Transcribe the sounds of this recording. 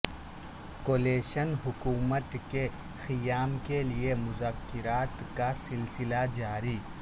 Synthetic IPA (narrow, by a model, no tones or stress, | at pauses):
koːleːʃənɦʊkuːmət̪ke | xɪjaːmkeliemʊzaːkːɪɾaːt̪kasɪlsɪlad͡ʒaːɾiː